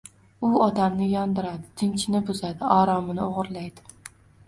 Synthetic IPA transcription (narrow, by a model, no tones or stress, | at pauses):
ʊɒd̪amnɪjɒnd̪ɪɾad̪ɪt̪ʰɪnt͡ʃʰɪnɪbʊzad̪ɪɒɾɒmɪnɪoʁɨɾlajd̪ɪ̥